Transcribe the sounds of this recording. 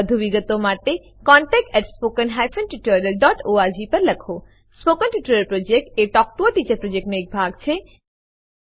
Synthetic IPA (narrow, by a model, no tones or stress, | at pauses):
d̪ʱubiɡɔt̪omat̪e | kɔɳʈɛk̚ʈɛʈspokənɦajfʰənʈiʈɾɾeɾɖɔʈoaɾd͡ʑipəɾləkʰo | spokənʈuʈuɾeɾpɾod͡ʑek̚ʈeʈɔk̚ʈoaʈit͡ɕɐɾpɾod͡ʑek̚ʈnoek̚bʱaɡ̚t͡ɕʰe